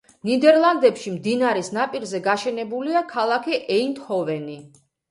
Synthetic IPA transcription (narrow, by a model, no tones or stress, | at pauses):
nid̪ɛɾlˠand̪ɛpʃimd̪inaɾɛsnapʼiɾzɛɡaʃɛnɛbuliakʰalˠakʰiʔɛint̪hɔvɛni